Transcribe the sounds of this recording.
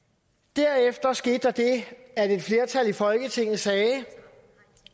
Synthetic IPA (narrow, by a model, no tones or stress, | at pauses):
d̥æɐ̰efd̥ɐsɡ̥e̝ːd̥ɑd̥e̝æde̝d̥fle̝ɐt͡sʰælifɒ̽lɡ̥ət͡sʰe̝ŋ̰nð̩ˠsɛː